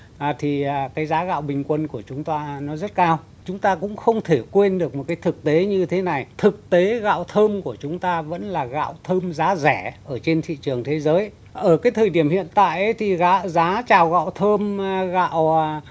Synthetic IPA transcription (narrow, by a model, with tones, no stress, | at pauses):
ʔaː˨˩t̪ʰi˨˩˨kaː˨˦jzaː˨˦ɣa̰ː˧˨wɓï˨˩ŋ̟kwə˧nku˧˩ət͡ɕʊ˨˦ŋ͡mt̪aː˧nɔ˨˦zə˦˥t̚kaː˧w | t͡ɕʊ˨˦ŋ͡mt̪aː˧kʊ̰˧˥ŋ͡mxə˧wŋ͡mt̪ʰe˧˩kwe˧nɗɨ˨˩ək̚mo˨˩t̚kaː˨˦jt̪ʰɨ˨˩k̚t̪e˨˦ɲɨ˧t̪ʰe˨˦na˨˩jt̪ʰɨ˨˩k̚t̪e˨˦ɣa̰ː˧˨wt̪ʰəː˧mku˧˩ət͡ɕʊ˨˦ŋ͡mt̪aː˧və̰˧˥nlaː˨˩ɣa̰ː˧˨wt̪ʰəː˧mzaː˨˦zɛ˧˩ʔəː˧˩t͡ɕe˧nt̪ʰḭ˧˨t͡ɕɨ˨˩əŋt̪ʰe˨˦zəː˨˦j | ʔəː˧˩kaː˨˦jt̪ʰəː˨˩jɗi˧˩əmhḭ˧˨ənt̪a̰ː˧˨jʔə˨˦jt̪ʰi˨˩ɣaː˨˦zaː˨˦t͡ɕaː˨˩wɣa̰ː˧˨wt̪ʰəː˧mɣa̰˧˨w